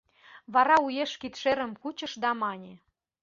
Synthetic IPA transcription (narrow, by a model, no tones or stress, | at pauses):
βɑɾɑujeʃkit̪ʃeɾə̆mkut͡ɕə̆ʃd̪ɑmɑnʲĕ